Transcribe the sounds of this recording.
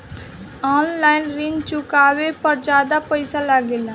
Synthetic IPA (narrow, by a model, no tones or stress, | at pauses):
ɔːnlaːɪnɾɪ̃nt͡ʃʊkaːwepəɾd͡ʒaːd̪apəɪsalaɡela